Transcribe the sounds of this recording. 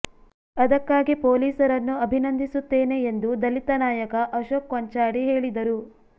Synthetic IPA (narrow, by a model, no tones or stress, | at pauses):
ɐd̪ɐkːaːɡipoːliːsɐɾɐnːuɐbʱinɐnd̪ʱisut̪ːeːne̞ːnd̪ud̪ɐlit̪ɐnaːjɐkɐʔɐʃoːkʋɐɲt͡ʃaːɽiɦe̞ːɭid̪ɐɾu